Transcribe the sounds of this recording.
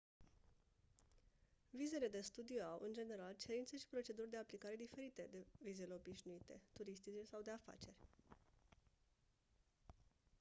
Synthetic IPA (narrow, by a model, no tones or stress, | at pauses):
vize̞le̞d̪e̞st̪ud̪ijoawʔɨnd͡ʒe̞ne̞ɾalt͡ʃe̞ɾint̪seʃi̥pɾo̞t͡ʃe̞d̪urʲd̪e̞aplikaɾe̞d̪ife̞ɾit̪e̞d̪e̞vize̞le̞o̞biʃnuit̪e̞̰t̪uɾist̪it͡ʃesawd̪e̞afa̰t͡ʃe̞rʲ